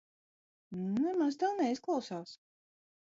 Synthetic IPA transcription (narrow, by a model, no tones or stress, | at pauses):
nunɛmazt̪awnɛisklˠawsaːs